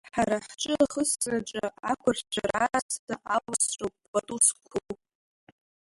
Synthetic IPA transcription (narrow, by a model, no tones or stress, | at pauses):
ħaɾaħt͡ʃʼɨaχəsraʈ͡ʂʼaakʷʰʊrt͡ʃʷʰaɾaːstaʔawasrowpʼːbatʼuskʷʰu